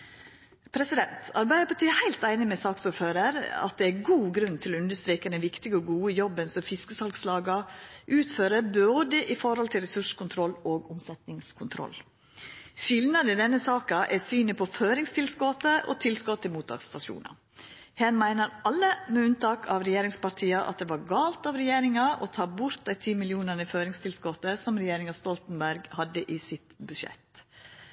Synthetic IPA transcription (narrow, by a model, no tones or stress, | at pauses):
pʰɾɛsɪd̪ɛnt̪ʰɑɾbæɪəpɑʈ̪ʰiːɛhæɪlt̪æɪnɪmɛsɑːksɔføːɾəɾɑ̰t̪̚d̪ɛæɡuːɡɾʉnt̪ʰɪlɔʉnd̪əʂt̪ɾeːkəd̪ɛnʋɪkt̪ɪɡəɔɡuːəjɔbːənsɔfɪskəsɑlkslɑːɡɑʔʉːt̪føːɾəboːd̪əʔɪfɔɾhɔlt̪ʰɪlɾɛsʉʂkʊnt̪ʰɾɔlːoːɡʊmsɛt̪nɪŋskʰʊnt̪ʰɾɔ̰l | ʃɪlnɑd̪əd̪ɛnːəsɑːkɑʔɛsyːnəpʰɔføːɾɪŋst̪ɪlskɔt̪əʔo̰t̪ʰɪlskɔt̪ʰːɪlmuːt̪ʰɑ̰ːkst̪ɑʂṵːnɑ̰ | hɛnmæɪnəɾɑlːəmɛʉnt̪ɑːkʰɑʋɾɛjeːɾɪŋspɑɾt̪ʰiːɑʔɑ̰t̪̚d̪ɛːʋɑɾɡɑːlt̪ɑʋɾɛjeːɾɪŋɑʔɔ̰t̪ʰɑːbʊɾt̪̚æɪt̪ʰiːmɪlɪuːnənəføːɾɪŋst̪ʰɪlskɔt̪ːəsɔmɾɛjeːɾɪŋɑst̪ɔlt̪n̩bæɾɡhɑd̪ːəʔiːsɪt̪bʉʃɛ̰t̪